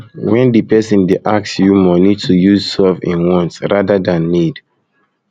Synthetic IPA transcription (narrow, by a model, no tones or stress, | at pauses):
wɛ̃ndipɛsɔ̃ndeʔaksjumɔnitʰujuzsɛvḭ̃nwɔ̃nsɹadadãnːid